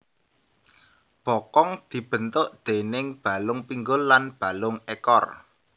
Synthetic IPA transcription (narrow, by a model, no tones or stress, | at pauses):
b̥ɔkɔŋd̪̥i̤b̥ə̤nt̪ʊʔd̪̥e̤nɪŋb̥a̤lʊŋpiŋɡʊlːanb̥a̤lʊŋekɔr